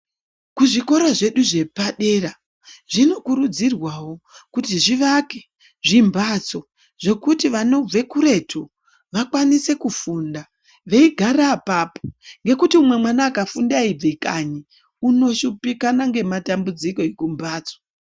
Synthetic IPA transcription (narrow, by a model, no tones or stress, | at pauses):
kuʐiko̞ɾaʐe̞ɗuʐe̞paɗe̞ra | ʐino̞kuɾud͡zirwawo̞kutiʐiʋake̥ | ʐimbat͡so̞ | ʐ̥e̞kutiʋano̞b͡ve̞kuɾe̞tʰu | ʋakwanise̞kufunda | ʋe̞iɡʱaɾaːpaːpoŋɡe̞kutiumwe̞mwanaːkafundaib͡vekaɲi | uno̞ʃupikanaŋɡe̞matambud͡ziko̞ekumbaːt͡so